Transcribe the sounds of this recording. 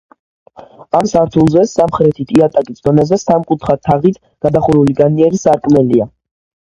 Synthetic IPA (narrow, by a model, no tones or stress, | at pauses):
amsaɾt̪ʰulˠzɛsamχɾɛt̪ʰit̪ʼiat̪ʼakʼisd̪ɔnɛzɛsamkʼut̪ʰχat̪ʰaʁit̪ʰ | ɡ̥ad̪aχuɾuliɡaniɛɾisaɾkʼmɛlia